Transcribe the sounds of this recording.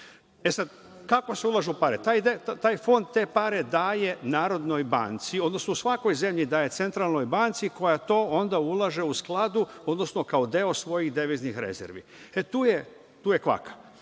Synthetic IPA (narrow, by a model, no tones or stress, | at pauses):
esad̪ | kakose̞ulˠaʒeupaɾet̪aːjd̪eat̪aːjfo̞nd̪̚t̪ːe̞paɾe̞d̪aːje̞naːɾo̞d̪no̞jba̰ːnt̪sio̞d̪no̞snousʋako̞jze̞mʎid̪aːje̞t̪se̞nt̪ɾaːlˠno̞jbaːnt̪siko̞jat̪o̞ːo̞nd̪aulˠaʒe̞usklˠad̪uo̞d̪no̞sno̞kaod̪eo̞sʋo̞jixd̪eʋiznixɾḛzḛɾʋḭet̪uːje | t̪uːjekʋa̰kḁ